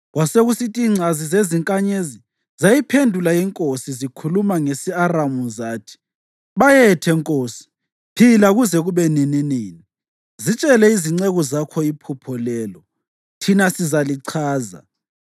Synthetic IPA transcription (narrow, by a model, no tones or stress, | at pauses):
ɣwaseɣusitʼiiːŋ͡ǀʱazizeziŋkʼaɲezi | zajipʰendʱulajɛŋkʼosizikʰulumaŋesiaramuzaːtʰi̥ | βajɛtʰɛŋkʼoːsi̥ | pʰilaɣuzɛɣuβɛnininiːni | zit͡ʃʼɛlɛiziŋ͡ǀɛɣɔzakʰɔipʰupʰɔlɛːlɔ | tʰinasizaliǀʰaːza̰